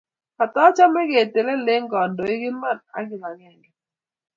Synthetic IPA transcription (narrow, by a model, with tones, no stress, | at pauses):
ka˨tɔ˦t͡ʃa˦mɛ˦ke˨te˨le˦le˦ŋɡɔ˨ndo˨ɪ˦ɡɪ˦ma˦˨na̰˨˦ɡɪ˨la˨ŋɛ˨ŋɡɛ˨